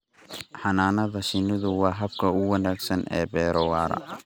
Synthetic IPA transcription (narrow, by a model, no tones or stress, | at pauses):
ħɑnaːnɐðɐʃɪnɪðʊwɑːɦɐb̚kʰɐʊwɑnaːɡsɐnʔɛ̰ːbɛːɾɔwaːɾɐ̰